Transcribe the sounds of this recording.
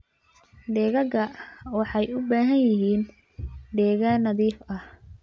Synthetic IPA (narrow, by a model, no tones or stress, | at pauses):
ɖɛːɣɐɣɐwɑħɑjʊbaːɦɐnjɪɦiːn | ɖɛːɣanɐðiːfɐh